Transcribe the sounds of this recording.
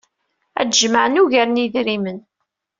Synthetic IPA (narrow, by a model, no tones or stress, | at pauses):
æ̰d̪ʒməʕənuʝæɾəniðɾimən